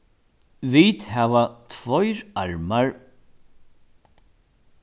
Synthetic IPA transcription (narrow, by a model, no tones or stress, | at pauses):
vit̪havat̪ʰvɔjɾa̰ɹmaɹ